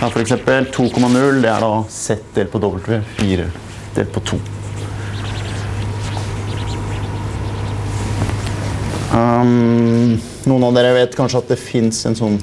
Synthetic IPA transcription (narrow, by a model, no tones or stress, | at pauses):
ɑfɔɾɛksɛmpəlt̪ʰuːkʰɔmːɑnʉld̪ɛæ̰ɖɑsɛt̪d̪eːlpʰɔd̪ɔbəlt̪ʋeːfiːɾə̰ | d̪̥ḛlpʰɔt̪ʰṵː | nuːənɑʋd̪eːɾəʋeːt̪kʰɑnʂəɑt̪̚d̪ɛfɪnsɛnsɔnː